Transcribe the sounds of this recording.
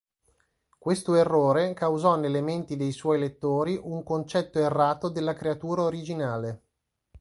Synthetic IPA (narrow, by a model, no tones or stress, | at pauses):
kwest̪oerːoːɾekawzɔnːelːement̪id̪ejswɔjlet̪ːoːɾiʔuŋkont͡ʃɛt̪ːoerːaːt̪od̪elːakɾeat̪uːɾaoɾid͡ʒinaːle